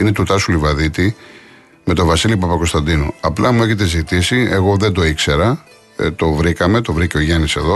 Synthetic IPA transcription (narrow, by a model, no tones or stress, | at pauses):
inet̪ut̪ɐsulivɐðit̪i | me̞t̪o̞vɐsilipɐpɐko̞st̪ɐnd̪inṵɐplɐmue̞çe̞t̪e̞zit̪isie̞ɣo̞ðe̞nd̪o̞ikse̞ɾɐ | t̪o̞vɾikɐme̞t̪o̞vɾiceo̞ʝɐnise̞̰ðo̞